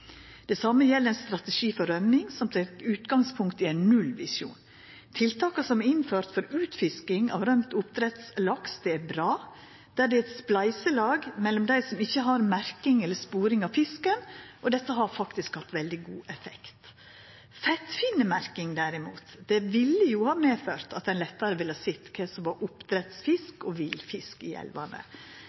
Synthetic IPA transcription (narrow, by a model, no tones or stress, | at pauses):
d̪̥ɛsɑməjɛlːəɾɛnst̪ɾɑt̪əʂiːfɔɾœmɪŋsɔmt̪æt̪ʉːt̪ɡɑŋspʰʊŋk̚t̪ɪæɪnnʉlʋɪsṵːn | t̪ʰɪlt̪ʰɑːkɑsɔmæɾɪnføːɾt̪fɔɾʉːt̪fɪskɪŋɑ̰ʋɾœmt̪ʊp̚t̪ɾɛt̪slɑksd̪̥ɛæɾbɾɑː | d̪̥æɖɛɛt̪splæɪsəlɑːɡmɛlːɔmd̪æɪsɔmɪçːəɦɑɾmæɾkɪŋɛlːəɾspuːɾɪŋɑʋfɪskənʔɔd̪ɛt̪ːəɦɑɾfɑkt̪ɪskhɑt̪ːʋɛld̪ɪɡuːʔɛfɛkt̪ | fɛt̪fɪnːəmæɾkɪŋd̪æɾɪmuːt̪d̪ɛʋɪlːəjuhɑːmeːføːɾt̪ɑt̪d̪æɛnlɛt̪ːɑɾəʋɪlhɑsɪt̪ːkʰɛsɔmʋɑɾʔʊpd̪ɾɛt̪sfɪskɔʋɪlfɪskɪ̰ɛ̰lʋɑnə̰